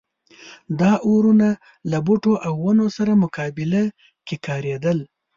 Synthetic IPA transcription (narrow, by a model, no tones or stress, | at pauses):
d̪ɑʔoɾuna | labuʈoʔawːanosaɾamʊkɑbɪla | kekɑɾed̪əl